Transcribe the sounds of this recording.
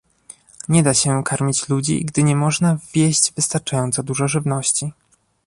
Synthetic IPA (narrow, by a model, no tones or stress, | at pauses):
ɲɛd̪aɕɛkaɾmʲit͡ɕlud͡ʑḭɡd̪ɘɲɛmɔʐnavʲjeʑd͡ʑvɘst̪aɾt͡ʂajɔnt̪sɔd̪uʐɔʐɘvnɔɕt͡ɕi